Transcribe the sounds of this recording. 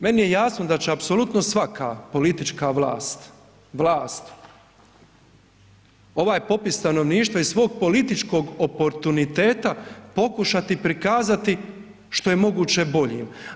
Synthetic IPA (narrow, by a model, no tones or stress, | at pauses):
me̞nije̞jaːsnod̪at͡ɕeapso̞lˠut̪no̞sʋakaːpo̞lit̪it͡ʃkaʋlˠa̰ːst̪ | ʋlˠaːst̪ | o̞ʋaːjpo̞pist̪ano̞ʋniːʃt̪ʋaissʋo̞ːɡ̚po̞lit̪it͡ʃko̞ɡopo̞ɾt̪unit̪e̞ːt̪apo̞kuʃat̪ipɾikaːzat̪i | ʃt̪o̞je̞mo̞ɡuːt͡ɕe̞bo̞ʎḭːm